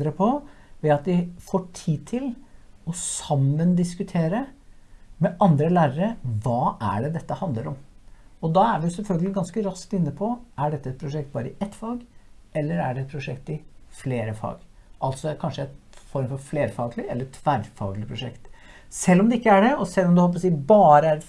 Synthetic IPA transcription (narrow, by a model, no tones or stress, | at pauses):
ɾəpʰɔʋɛɑt̪̚d̪ɪfoːʈʰiːt̪ʰɪlɔssɑmːənd̪ɪskʉt̪ʰeːɾə | mɛʔɑnd̪ɾəlæːɾəɾəʋɑːʔæ̰ɖɛd̪ɛt̪ːəhɑnd̪ləɾɔmɔd̪ɑæɾʋɪʊsɛlfœlɡəlɪɡɑnskəɾɑskt̪ɪnːəpʰɔʔæɖɛt̪ːəɛt̪̚pʰɾʊʂɛkt̪̚bɑːɾəɪʔɛt̪ːfɑːɡʔɛlːəɾæɖɛɛt̪̚pʰɾʊʂɛkt̪ɪfleːɾəfɑ̰ːɡʔɑlt̪sɔkʰɑnʂəæt̪fɔɾmfɔɾfleːɾfɑːɡlɪɛlːəɾt̪ʰʋæɾfɑ̰ːɡlɪpʰɾʊʂɛkt̪sɛlːɔmd̪ɛɪkːəæɖɛɔsɛlːɔmd̪ɛhɔlˠp̬ɔsiːbɑːɾəæɾɛt̪